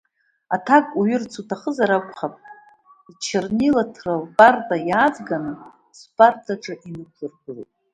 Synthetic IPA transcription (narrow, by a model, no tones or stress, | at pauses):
atʰakʼuɥɪrt͡sʰutʰaχəzaɾakʷʰʼχapʼ | it͡ʃʰɪrnilatʰralbʼartʼajaːd͡zɡanɨ | spʰʼartʰaʈ͡ʂʼɨʔinɨkʷʰɨrɡʷɨlṵtʼ